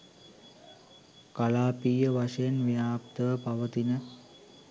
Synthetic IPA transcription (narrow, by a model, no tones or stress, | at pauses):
kalaːpiːjəʋaʂəjənʋijaːpt̪əʋəpaʋət̪inə